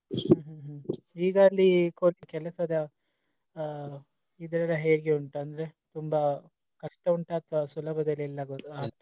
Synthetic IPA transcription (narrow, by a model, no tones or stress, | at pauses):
ɦɐːɦuɦ | iːɡaːlːikoːɐkɛlɐsɐd̪ɐ | id̪ɐɾɐlːɐɦeːɾiɡeuɳʈɐɐnd̪ɐɾe̞t̪umbɐ | kɐʂʈɐuɳʈɐːt̪ʋasulɐbʱɐd̪ɐlːiɛlːɐɡoaːɾt̪